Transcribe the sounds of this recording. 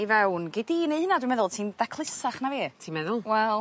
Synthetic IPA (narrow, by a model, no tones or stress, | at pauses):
ivɛwnɡɪdinejhənadwɪmɛðʊlˠtʰiːndakʰlˠɪsaχnaviːtʰiːnmɛðʊlˠwɛlˠ